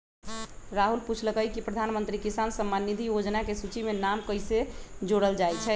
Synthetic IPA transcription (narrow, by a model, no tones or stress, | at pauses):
ɾaɦulput͡ʃʰləkəjkipɾəd̪ʱanmənt̪ɾikisansəmːanːid̪ʱijod͡ʒnakesut͡ʃimenamkəjsed͡ʒoɽəld͡ʒajt͡ʃʰɛ